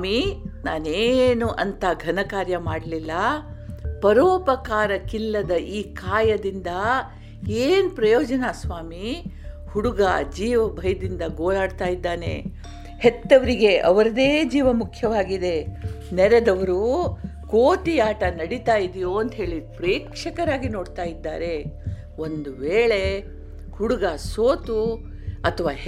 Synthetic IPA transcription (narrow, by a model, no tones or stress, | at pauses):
minaːneːnuʔɐnt̪ɐɡʱɐnɐkaːɾjɐmaːɽɐlilːɐ | pɐɾɔːpɐkaːɾɐkilːɐd̪ɐʔiːkaːjɐd̪ind̪ɐ | eːnpɾɐjɔːd͡ʒɐnasʋaːmi | huɽuɡa̰d͡ʒiːʋɐbʱɐjɐd̪ind̪ɐɡoːjaːɽt̪aːjid̪ːaːnḛ | het̪ːɐʋɐɾiɡe̞ʔɐʋɐɾɐd̪eːd͡ʒiːʋɐmukʰjɐʋaːɡid̪e̞ | nɛɾed̪ɐʋɐɾu | koːʈ̪iaːʈɐnɐɽit̪aːjid̪ijoɐnt̪ɦe̞ːɭipɾeːkʂɐkɐɾaːɡino̞ːɖt̪aːjid̪ːa̰ːɾe̞ | o̞nd̪uʋeːɭe̞ | huɽuɡɐsoːt̪u | ɐt̪ʰɐʋaː